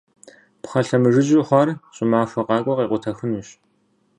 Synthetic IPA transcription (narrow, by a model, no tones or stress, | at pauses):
pχɐɬɐmɨʐɨʑʊχʷɔrɕʼɪmaːfɐqʼɑːkʷʼɔqʼiːqʷʊtʰɐxɨnuːɕ